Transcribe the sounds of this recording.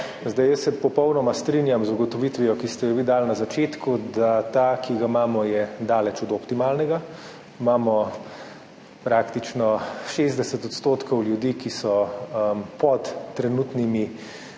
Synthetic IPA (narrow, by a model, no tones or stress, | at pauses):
zd̪ajəsːɛpɔpɔwnɔmast̪ɾinjamzuɡɔt̪ɔʋit̪ʋijɔkist̪ɛjɛʋid̪aːlnazat͡ʃeːt̪kud̪at̪akiɡamaːmɔjɛd̪aːlɛt͡ʃɔd̪ɔpt̪imaːlnɛɡa | imaːmɔ | pɾaːkt̪it͡ʃnɔʃeːzd̪ɛsɛt̪ɔt̪st̪oːt̪kɔwljud̪iːkisɔmpɔt̪ːɾɛnuːt̪nimi